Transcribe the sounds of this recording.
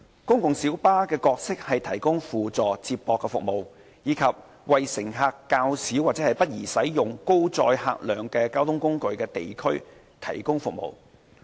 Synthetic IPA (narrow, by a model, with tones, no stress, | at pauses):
kʊ˥ŋkʊ˨ŋsiː˨˥wpaː˥kɛː˧kɔː˧k̚sɪ˥k̚hɐ˨jt̪ʰɐ˨˩jkʊ˥ŋfuː˨t͡sɔː˨t͡siː˧ppɔː˧kːɛ˧fʊ̰˨k̚mo˨˩w | jiː˨˧kʰɐ˨p̚ | wɐ˨jsɪ˨˩ŋɦaː˧kːaː˧wsi˨˥wa˨t͡sɛː˨˥hɐ˨˩jpɐ˥t̚jiː˨˩sɐ˨˥jjʊ˨ŋko˥wt͡sɔː˧jha̰ː˧k̚lœː˨˩ŋkɛː˧kaː˥wt̪ʰʊ˥ŋkʊ˥ŋkɵ˨˧ɥkɛː˧t̪e˨jkʰɵ˥ɥ | t̪ʰɐ˨˩jkʊ˥ŋfʊ˨k̚mo̰˨w